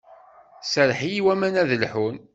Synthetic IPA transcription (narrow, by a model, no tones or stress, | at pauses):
səɾħijiwæmænæðəlħun